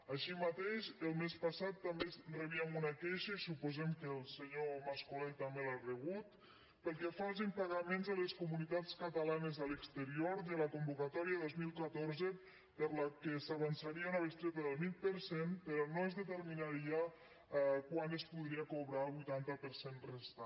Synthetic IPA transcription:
aʃimat̪eʃəlˠmespasat̪ːambesreβiamunakeʃəisupuzɛmkəlˠseɲomaskulɛt̪ːambelareβ̞ut̪ | pəlˠkɛfɔz̬impaɣamẽnzaleskumunit̪at͡skat̪alanəzaləkst̪əɾioɾðəlakumbukat̪ɔɾiaðozmilˠkat̪oɾzə | pəɾlakesaβansaɾiaunaβəst̪ɾet̪əðəlˠmit̪̚pəɾsempəɾɔnoezðət̪əɾminaɾʒa | kwanəspuðɾiakoβɾalˠβujt̪ant̪əpəɾsenrest̪a

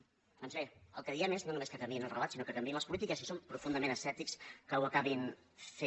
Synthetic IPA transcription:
d̪̥ɔnzβeə̰lˠkəðiɛmeznonumeskət̪əmbinəlˠrəlat̪sinokət̪əmbeləspulit̪ikəsisompɾufund̪əmenəsɛt̪ikskəwəkaβin | fe

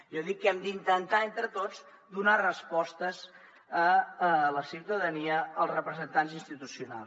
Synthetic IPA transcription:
ʒɔðikːɛmd̪int̪ənt̪aent̪ɾət̪od͡z | d̪unarəspɔst̪əz | əələsiwt̪əðəniəəlˠzrəpɾəzənt̪anzinst̪it̪usiuna̰lˠs

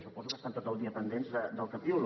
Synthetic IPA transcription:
ʃupɔzukəst̪ant̪ot̪əlˠd̪iəpənd̪enzðəd̪əlˠkəpiuɾu

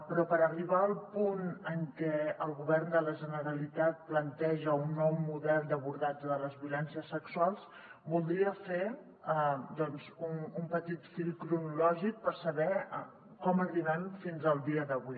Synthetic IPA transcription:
pɾɔpəɾəriβ̞aəːlˠpunəŋkɛəlˠɣuβɛrnd̪ələʒənəɾəlit̪at̪̚plənt̪ɛʒəunːɔwmuðɛlˠd̪əβuɾðad͡ʒðələzβiulɛnsiəsːəksuwalˠs | bulˠd̪ɾiəfe | d̪ɔnzunumpət̪it̪filˠkɾunulɔʒik̚pəɾsəβɛ | kɔməriβanfinzəlˠd̪iəðəβi

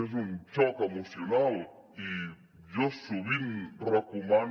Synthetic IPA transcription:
ezunt͡ʃɔkemusjonal | i | ʒɔsuβimrakuman

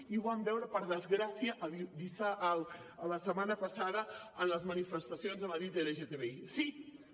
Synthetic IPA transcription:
iβambɛwɾəpəɾðəzɣɾasiəʔːidisalːləsəmanəpəsaðəənləzmənifəst̪əsionzəməðɾit̪eleʒet̪eβeisi

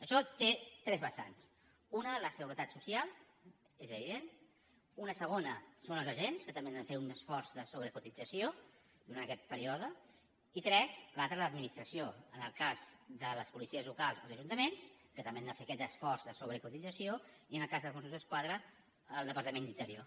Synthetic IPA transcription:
əʃɔt̪et̪ɾɛzβəsa̰ns | unələsəɣuɾət̪at̪susialˠ | ezəβiðen | unəsəɣ̞onəsonəlˠzəʒenskət̪əmbend̪əfeunəsfɔrzðəsoβ̞ɾəkut̪id͡zəsio | d̪uɾant̪əkɛt̪̚pəɾiɔðə | it̪ɾɛzlalˠt̪ɾələd̪minist̪ɾəsioənəlˠkazðələspulisiəzlukalˠzəlˠzəʒunt̪əmenskət̪əmbeand̪əfeəkɛəsfɔrzðəsoβɾəkut̪id͡zəsioiənəlˠkazðəlˠkunsunzəskwaðɾəː | lˠd̪əpəɾt̪əmẽnd̪int̪əɾio

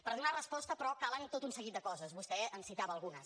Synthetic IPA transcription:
pəɾðunarəspɔst̪əpɾɔkalənt̪ot̪unsəɣit̪̚d̪əkɔzəzβust̪ɛənsit̪aβəːlˠɣunəs

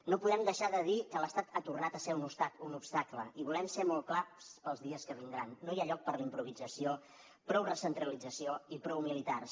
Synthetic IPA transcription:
nopuðɛmd̪əʃaðəðikələst̪at̪at̪urnat̪əseunupst̪akunupst̪akləiβulɛmsemolˠklaspəlˠzðiəskəβind̪ɾanːojaʎɔk̚pəɾlimpɾuβ̞id͡zəsio | pɾɔwrəsənt̪ɾəlid͡zəsioipɾɔwmilit̪ars

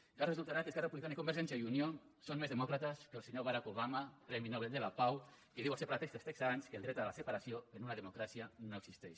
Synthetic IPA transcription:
ʒ̥arezulˠt̪aɾakeskarepuβlikanikumbeɾʒɛnsjaiunjosonmezðemɔkɾat̪askelˠseɲoβaɾakoβ̞amakɾɛminoβeld̪elapaw | iðiwasepaɾat̪est̪est̪eksaanskelˠd̪ɾɛt̪alasepaɾasioenunaðemokɾasijanoekɡsist̪ɛʃ

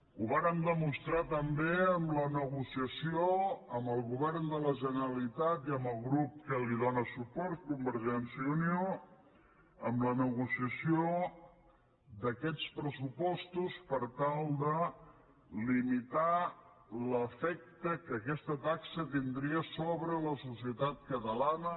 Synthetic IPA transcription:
uβaɾəmd̪əmust̪ɾat̪əmbeəmlənəɣusiəsioəmbəlˠɣuβɛrnd̪ələʒənəɾəlit̪at̪iəmbəlˠɣɾup̚kəliðɔnəsupɔɾt̪̚kumbəɾʒɛnsjəunio | əmlənəɣusiəsijo | d̪əkɛt͡spɾəsupɔst̪uspəɾt̪alˠd̪ə | limit̪a | ləfɛk̚t̪əkəːkɛst̪ət̪aksət̪ind̪ɾiəsoβɾələsusiət̪at̪̚kət̪əlanə

